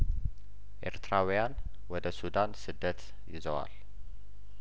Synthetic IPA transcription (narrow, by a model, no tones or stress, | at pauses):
ʔḛɾt̪ɾawujan | wɔd̪əsud̪ansɨd̪ːət̪ | jɪ̰zəwa̰l